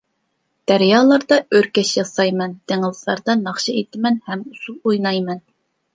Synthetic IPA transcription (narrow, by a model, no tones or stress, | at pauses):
d̪̥æɾjɑːlˠɑɾd̪ɑøɾkʲɛʃjɑsɑjmɛnt̪eŋɪlˠslˠɑ̰ɾd̪ɑnɑχʃɑet̪ʰɪmɛnhɛmusulˠujnɑjmɛn